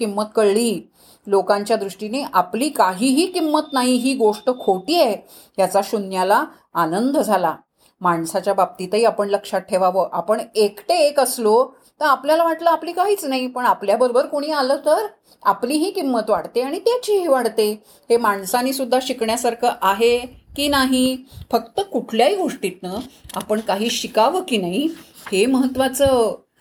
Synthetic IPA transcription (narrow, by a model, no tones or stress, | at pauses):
kimːət̪kəɭɭiː | lokãɲt͡ɕjad̪ɾuʂʈineʔapliːkaɦiːɦiːkimːət̪naɦiɦiːɡoʂʈəkʰoʈiːe | jat͡saɕunjalaː | nənd̪ʱd͡zʱala | maɳsat͡ɕjabab̚t̪it̪əɦiːapəɳləkʂat̪̚ʈʰeʋaʋəːʔapəɳekʈeːkəslo | t̪əɾapljalaʋaʈləapliːkaɦiːt͡snaɦipəɳapljabəɾobəɾkoɽ̃iːaləːt̪əɾ | a̰pliːɦiːkimːət̪ʋaɽt̪eaɽ̃it̪jat͡ɕiːɦiːʋaɽt̪e | hemaɳsaniːsud̪ʱːaɕikɳjasaɾkʰəːʔaɦekiːnaɦifək̚t̪əkuʈʰljaɦiːɡʱoʂʈiːt̪̚nəapəɳkaɦiːɕikaʋəːkiːnaɦi | heməɦət̪ʋat͡səː